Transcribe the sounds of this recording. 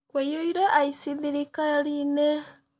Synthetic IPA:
kwejoiɾaʔaisiðiɾikaɾine

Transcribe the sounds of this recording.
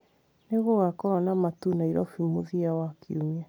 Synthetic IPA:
neɣoɣakɔɾɔnamatunaiɾɔfimoðiawakiuma

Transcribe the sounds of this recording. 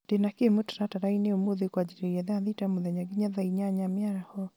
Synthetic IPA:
d̥enakemotḁɾataɾaineomoðekwad͡ʒiɾeɛðɛaðitamoðɛɲaɡiɲaðaiɲaɲamjaɾahɔ

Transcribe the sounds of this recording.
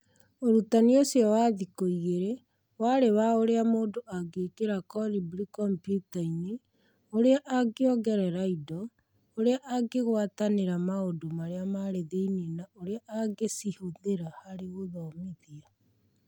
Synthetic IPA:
oɾutaniosjɔwaːðikoiɣeɾe | waɾewaoɾeamoːdoʔaɡeːkeɾakɔɾibɾikɔmpjutaine | oɾeaʔaɡeɔɡɛɾɛɾaidɔ | oɾeaʔaɡeɣwataneɾamaodomaɾeamaɾeðeinenaʔoɾeaʔaɡesihoðeɾahaɾeɣoðɔmiðia

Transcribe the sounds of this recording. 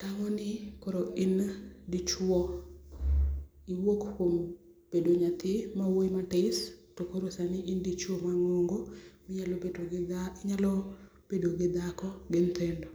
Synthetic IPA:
taŋɔnɪkoɾoɪndɪt͡ʃwɔ | iwokkom | b̥edoɲat̪ɪmawoimatɪstokoɾosanɪʔɪndit͡ʃwɔmaŋoŋɡomɲalo | ɲalɔ | b̥edoɡɪd̪akɔɡɪnt̪ʰɛndɔ

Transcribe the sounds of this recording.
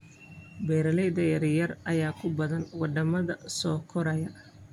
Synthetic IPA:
bɛːɾɐlɛjd̪ɐjɐɾjɐrɐjaːkʰʊbɐðɐnwɑɖ̪ɐmɐðɐsɔːkʰɔɾɐjɐ

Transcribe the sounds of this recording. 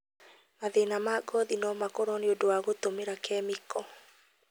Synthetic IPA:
maðenamaɡɔðinɔmakoɾɔneodowaɣotomeɾakɛmikɔ

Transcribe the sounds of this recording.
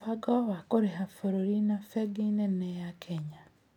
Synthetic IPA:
aɡɔwakoɾeɦafoɾoɾinafɛɡinɛnɛjakʰɛɲa

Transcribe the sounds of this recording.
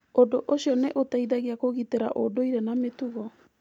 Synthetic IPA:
odoʔosiɔnɛʔotaiðaɣiakoɣiteɾa̰ʔodoiɾenametuɣɔ

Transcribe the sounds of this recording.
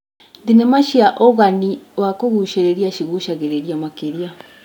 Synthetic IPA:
dinemaʃiaʔoɣaniwakoɣuʃeɾeɾjaʃiɣuʃaɣeɾeɾiamakeɾia

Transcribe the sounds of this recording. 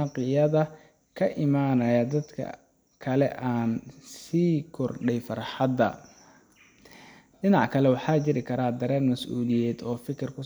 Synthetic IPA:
qɪjɐðɐ | kʰɐʔɪmaːnɐjɐd̪ɐd̪kʰɐ̰ | kʰɐlɛʔaːnsiːkʰɔrɖɛjfɐrħɑd̪ɐ̰ | ɖɪnɑʕkʰɐlɛwɑħɑːt͡ʃɪɾɪkʰɐɾaːd̪ɐɾɛːnmɐsʔuːlɪjɛːd̪ɔːfɪkʰɪrkʰʊ

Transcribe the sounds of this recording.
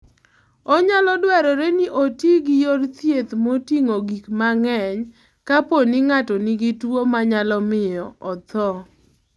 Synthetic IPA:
ɔɲalɔdwɛɾɔɾeniʔotiɡɪjoɾt̪jet̪motiŋoɡikmaŋɛɲ | kaponiŋatɔniɡitwomaɲalɔmɪjɔɔt̪ɔ

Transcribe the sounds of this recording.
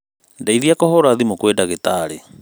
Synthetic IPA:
ndaiðiakɔhɔɾaðimokwedaɣetaɾe

